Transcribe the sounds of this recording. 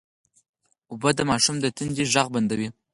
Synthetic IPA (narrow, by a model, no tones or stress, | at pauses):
ʊbəd̪əmɑʃumd̪ət̪ənd̪iʒaɣband̪awi